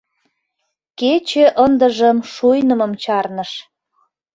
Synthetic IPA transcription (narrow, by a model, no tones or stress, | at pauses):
ket͡ɕĕʔənd̪əʒəmʃujnəməmt͡ɕɑrnəʃ